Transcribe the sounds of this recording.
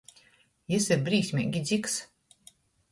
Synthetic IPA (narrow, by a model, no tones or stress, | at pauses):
jisiɾbɾiːsʲmʲḭɡʲid̪zʲiks